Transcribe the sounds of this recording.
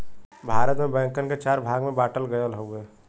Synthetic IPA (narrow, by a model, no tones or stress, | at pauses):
bʱaːɾət̪mẽbɛ̃ːŋkənket͡ʃaːɾbʱaːɡmẽbaːʈəlɡəjəlɦoeː